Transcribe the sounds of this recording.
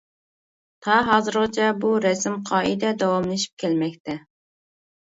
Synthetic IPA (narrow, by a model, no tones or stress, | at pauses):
t̪ʰɑɦɑːzɨɾʁɑt͡ʃʰɛbuɾɛsɪmqʰɑːʔid̪ɛd̪ɑwɑmlˠeʃi̥p̚kʲʰɛlmɛkʲt̪ʰɛ